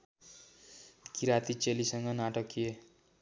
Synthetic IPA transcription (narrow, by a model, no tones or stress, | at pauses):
kiɾat̪it͡selisʌŋɡʌnaʈʌkie